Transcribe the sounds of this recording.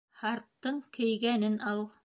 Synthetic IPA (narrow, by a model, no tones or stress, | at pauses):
hɑɾt̪ːɤɴkɘ̆jɡænɘnʔɑlˠ